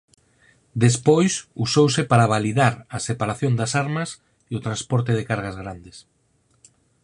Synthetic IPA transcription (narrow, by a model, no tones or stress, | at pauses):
d̪espojsusowsɪpaɾaβaliðaɾɐsepaɾaθjõnd̪ɐsaɾmɐs | eʊt̪ɾanspɔɾt̪̬eðekaɾɣazɣɾand̪es